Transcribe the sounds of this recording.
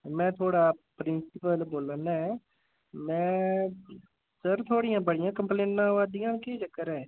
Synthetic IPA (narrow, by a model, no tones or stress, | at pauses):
mɛ̃ːt̪ʰoːɽaːpɾɪnsɪpəlboːlənɛː | mɛ̃ː | səɾt̪ʰoːɽijãːbəɽɪjãːkəmplẽːʈːãːʋaːd̪ijãːnkeːd͡ʒəkːəɾɛː